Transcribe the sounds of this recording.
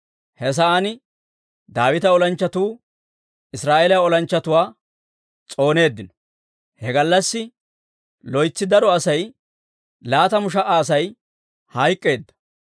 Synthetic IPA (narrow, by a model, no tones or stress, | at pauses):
hɛs̬ɐanɪ | d̪aːwɪt̪ɐɔlɐnt͡ʃːɐt̪uː | ɪsɾaːʔelɐaɔlɐnt͡ʃːɐt̪ʊwaː | t͡sʼo̞ːne̞ːd̪ːɪnɔ̥ | hɛɡɐlːɐsːɪ | lɔjt͡sːɪd̪ɐɾɔɐsɐj | laːt̪ɐmʊʃ̬ɐʔaːs̬ɐj | hɐjkʼːe̞ːd̪ːɐ̥